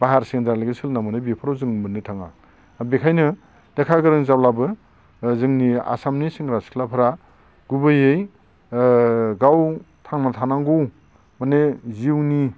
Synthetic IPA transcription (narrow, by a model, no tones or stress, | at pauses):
baɦaɾsiŋdaɾlaɡesɯlnamɯnɯbipʰɯɾawzɯŋmɯnːɯtʰaŋa | bekʰajnɯ | nekʰaɡɯɾɯŋzawlabɯ | zɯŋnia̰samnisiŋɾaskʰlapʰɯɾa | ɡ̥ubɯjej | ɡaw | tʰaŋnatʰanaŋɡuw | maneziwni